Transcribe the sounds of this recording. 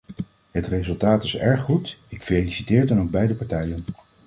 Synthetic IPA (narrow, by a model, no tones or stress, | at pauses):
ɦətrezɵlˠtaːtɪsɛ̰ɹχːutɪkfelisitɪːɹdɑnowɡ̚bɛjdəpaɹtɛjən